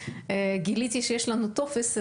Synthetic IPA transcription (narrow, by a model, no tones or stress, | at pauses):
eɡilit̪iʃejeʃlanut̪ofes